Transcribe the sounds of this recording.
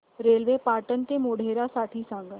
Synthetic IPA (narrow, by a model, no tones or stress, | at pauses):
ɾeːlʋeːpaːʈənt̪emoːɽ̤ʱeːɾasaːʈʰisãːŋɡ